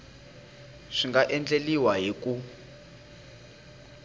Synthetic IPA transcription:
ʂiŋɡaʔɛnd͡ɮeliwaɦiku

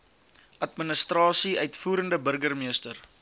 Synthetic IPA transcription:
ʔɐtmənəstrɑːsiœɥtfuːɾəndəbərɡərmiəstər

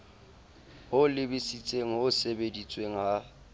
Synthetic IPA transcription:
hʊlɪbɪsit͡sʼeŋ̩ʊsebedit͡sʼweŋ̩ɦa

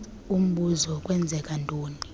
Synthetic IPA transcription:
um̩ɓuzɔkʼwɛnd͡zʱɛkʼantʼoːni

